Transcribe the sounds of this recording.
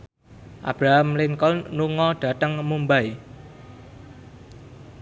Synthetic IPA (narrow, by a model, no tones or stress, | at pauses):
ʔa̰b̥ɾaɦamlɪŋkɔlnuŋɔɖ̥a̤t̪əŋmumbaj